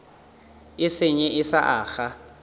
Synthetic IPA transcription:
ɪsɪɲɛʔɪsa̰ʔaːχa

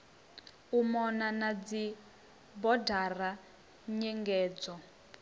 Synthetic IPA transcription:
umɔnanad͡zi | bɔdara | ɲɛŋɡɛːd͡zɔ

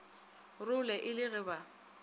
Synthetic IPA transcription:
rʊlɛʔɪlɪɣɪba

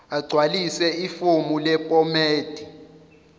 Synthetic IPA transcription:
aɡ͡ǀʱwalisɛifomulɛpʼɔmeːd̥ʱi

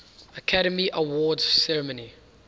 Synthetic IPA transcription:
əkʰaɾəmiʔəwɔːdz̥sɛɹəməni

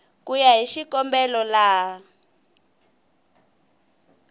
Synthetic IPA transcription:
kujaɦiʃikɔmbɛlɔla

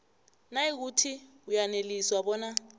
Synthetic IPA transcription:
naik̬utʰi | ujaneliswaɓɔːna

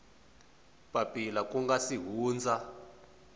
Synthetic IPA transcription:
pʼapʼilakʼuŋɡasiɦuːnd͡zʱa

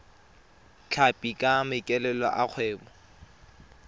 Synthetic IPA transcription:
t͡ɬʰapʼikʼamɪkʼɛlɛlɔ̰ʔak͡xʰwɛːbɔ

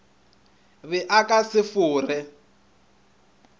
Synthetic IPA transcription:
βɪʔakʼasɪfʊːrɪ

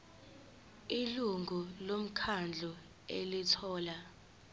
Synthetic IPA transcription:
iluŋulom̩kʰand͡ɮʱɔ | ḛlitʰɔːla

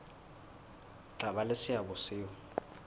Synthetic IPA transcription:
t͡ɬʼabalesɪabʊsɪːɔ

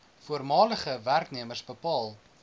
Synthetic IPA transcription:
fuərmɑːləχəværkniəmərsbəpɑːlˠ

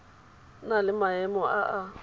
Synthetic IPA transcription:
nalɪmaɛmɔaʔa

